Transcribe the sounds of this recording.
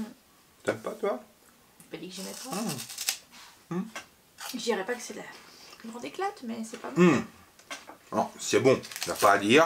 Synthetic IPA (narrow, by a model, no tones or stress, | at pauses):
t̪ɛmpat̪wa | pad̪ikʒɛmɛt̪ɔ̃ | m̩ | ʒəd̪iʁɛpakə̥sɛlakyb̪ʁɑ̃d̪eklat̪mɛsɛpab̩ | ɔ̰̃sɛbɔ̃napaːd̪iːʁ